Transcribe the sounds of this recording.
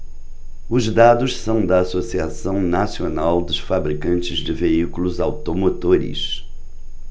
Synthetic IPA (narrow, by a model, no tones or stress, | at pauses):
ʊzd̪ad̪ʊʃsɐ̃w̃d̪ɐasosiasɐ̃w̃nasionawd̪ʊʃfabɾikɐ̃nt͡ʃɪzd͡ʒɪveikulʊzawt̪omot̪oɾɪ̰s